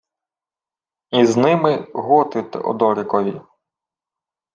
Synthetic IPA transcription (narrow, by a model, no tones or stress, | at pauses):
iznɪmɪɦɔt̪ɪt̪ɛ̰ʔɔ̰d̪ɔɾɪkɔʋʲi